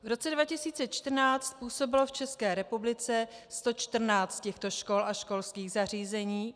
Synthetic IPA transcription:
vɾo̞t͡sɛdvacɪsiːt͡sɛt͡ʃt̪r̩naːt͡st̪̚puːso̞bɪlo̞ft͡ʃɛskɛːɾɛpublɪt͡sɛst̪o̞t͡ʃt̪r̩naːt͡st̪̚cɛxt̪o̞ʃko̞lʔaʃko̞lskiːɣzar̝iːzɛɲiː

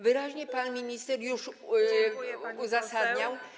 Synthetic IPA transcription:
vɘɾaʑɲɛpanmʲiɲist̪ɛɾjuʂ | uzasad̪ɲaw

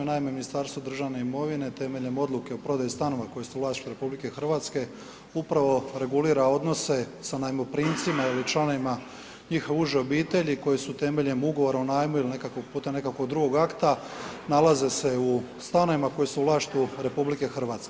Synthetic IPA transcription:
enaːimeminist̪aːɾst̪ʋod̪r̩ʒaʋne̞imo̞ʋine̞t̪e̞meʎemo̞d̪lˠuke̞opɾo̞d̪ajust̪ano̞ʋako̞jesuvlaːʃt̪uɾe̞publike̞xr̩ʋaːt̪ske̞ | upɾaʋo̞ɾe̞ɡuliːɾao̞d̪no̞se̞sanajmopɾint̪simailit͡ʃlˠano̞ʋima | ɲiːxouʒeo̞biːt̪e̞ʎiko̞jesut̪e̞me̞ʎemuɡo̞ʋo̞ɾaunaːjmuiline̞kakoɡpuːt̪amne̞kakod̪ɾuɡo̞ɡakt̪analaze̞se̞u | st̪ano̞ʋimakojesuuvlˠaːʃt̪uɾe̞publike̞xr̩ʋaːt̪ske

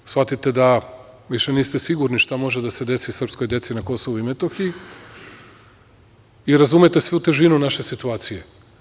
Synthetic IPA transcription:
sʋat̪it̪e̞d̪a | ʋiʃeniːst̪esiɡuɾniʃt̪amo̞ʒed̪ase̞d̪e̞sisr̩psko̞jd̪e̞t̪sinako̞soʋuimet̪oxiji | iɾazumet̪e̞sʋiut̪e̞ʒinunaʃe̞sit̪uaːt̪sije

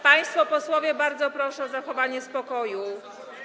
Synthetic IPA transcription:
paj̃st̪fɔpɔswɔvʲjɛbaɾd̪zɔpɾɔʂɛɔzaxɔvaɲɛspɔkɔju

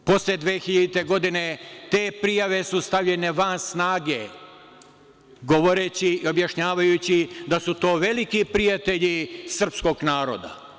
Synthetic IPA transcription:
po̞sled̪ʋeːxiʎad̪it̪e̞ɡo̞d̪ine̞t̪e̞ːpɾijaʋe̞sust̪aʋʎe̞ne̞ʋansnaːɡe̞ | ɡo̞ʋo̞ɾet͡ɕiio̞bjaʃɲaːʋajut͡ɕid̪asut̪o̞ːʋe̞likipɾijat̪e̞ʎisr̩psko̞ɡnaːɾo̰d̪a̰

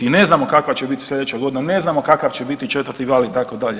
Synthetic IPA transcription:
ine̞znaːmo̞kakʋat͡ɕebit̪i̥slʲe̞d̪et͡ɕaɡo̞d̪inane̞znamo̞kakaʋt͡ʃebit̪it͡ʃe̞t̪ʋərɾt̪iɡaːlit̪akod̪aʎe

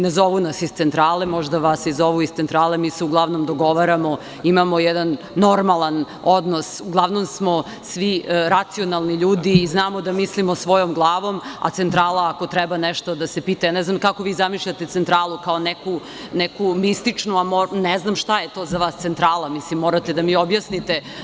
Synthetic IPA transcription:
nezoʋunasist̪sent̪ɾaːlemo̞ʒd̪aʋasizoʋuist̪sent̪ɾaːlemiːseuɡlˠaʋnomd̪oɡo̞ʋaɾamo | imamojɛd̪anː | o̞ɾmalˠan | od̪nosuɡlˠaʋnomsmo | sʋiɾat̪sio̞nalˠniʎuːd̪iːznaːmod̪amislimosʋo̞jomɡlˠaːʋo̞ma̰t̪sent̪ɾaːlˠaakot̪ɾɛbanɛʃt̪od̪asepiːt̪ajanɛznamkakoʋiːzamiʃʎat̪et̪sent̪ɾaːlˠukaoneku | nɛkumist̪it͡ʂnuamonɛznamʃt̪ajet̪oːzaʋaːst̪sent̪ɾaːlˠamislimːoɾat̪ed̪amiːobjasnit̪e

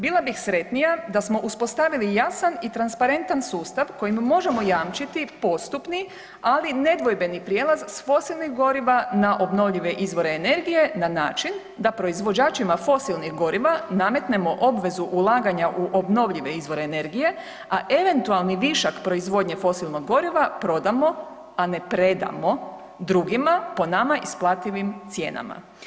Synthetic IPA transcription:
biːlˠabixsɾe̞t̪nijad̪asmo̞ʔuspo̞st̪aʋilijasanit̪ɾanspaɾe̞nt̪ansuːst̪aʋko̞jimmo̞ʒe̞mo̞jaːmt͡ʃit̪ipo̞st̪upni | aline̞d̪ʋo̞jbe̞nipɾjeːlˠazsfo̞silˠnixɡo̞ɾiʋanaʔo̞bno̞ʋʎiʋe̞ʔizʋo̞ɾe̞ːne̞ɾɡije̞nanaːt͡ʃin | d̪apɾo̞izʋo̞d͡ʑaːt͡ʃimafo̞silˠnixɡo̞ɾiʋaname̞t̪ne̞mo̞ʔobʋe̞zuʔulˠaːɡaɲaʔuʔobno̞ʋʎiʋe̞izʋo̞ɾe̞ːne̞ɾɡije̞ | aʔe̞ʋe̞nt̪ualˠniʋiʃakpɾo̞izʋo̞d̪ɲe̞fo̞silˠno̞ɡːo̞ɾiʋapɾo̞d̪amo̞ | ane̞pɾe̞d̪a̰mo̞ | d̪ɾuɡimapo̞namaʔisplˠat̪iʋimt̪sje̞ːna̰ma̰

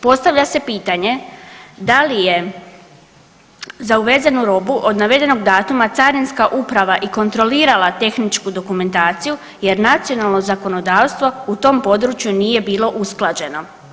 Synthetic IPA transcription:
po̞st̪aʋʎase̞piːt̪aɲe̞d̪alije̞ | zauʋe̞zenuɾo̞buʔo̞d̪naʋe̞d̪e̞no̞ɡd̪aːt̪umat̪saɾinskaʔupɾaʋaʔiko̞nt̪ɾo̞liːɾalˠat̪e̞xnit͡ʃkud̪o̞kume̞nt̪aːt̪siju | je̞ɾnat̪sio̞nalˠno̞zako̞no̞d̪aːʋst̪ʋo̞ut̪o̞mpo̞d̪ɾut͡ʃjunije̞biːlo̞ʔusklˠad͡ʑe̞no̞

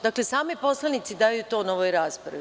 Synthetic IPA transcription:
d̪aklesaːmipo̞slˠanit̪sid̪aːjut̪o̞ːnoʋojɾaːspɾa̰ʋi

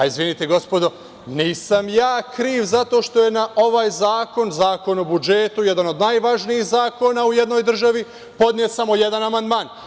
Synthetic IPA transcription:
aizʋinit̪eɡo̞spo̞d̪o̞ | niːsamjaːkɾiːʋzat̪o̞ːʃt̪o̞je̞naʔo̞ʋaːjzaːko̞nzaːko̞nobud͡ʒe̞t̪ujed̪ano̞d̪najʋaʒnijixzaːko̞nauje̞d̪no̞jd̪r̩ʒaʋi | po̞d̪njet̪samo̞je̞d̪anamand̪maːn

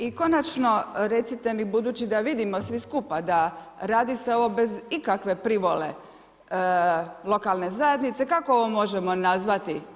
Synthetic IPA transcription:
iko̞nat͡ʃno̞ɾe̞t̪sit̪e̞mibud̪uːt͡ɕid̪aʋid̪imo̞sʋiskupad̪aɾaːd̪iseo̞ʋo̞be̞zikakʋe̞pɾiʋo̞le̞̰ | lˠo̞kalˠne̞zaje̞d̪nit̪sekakooʋo̞mo̞ʒemo̞nazʋat̪i

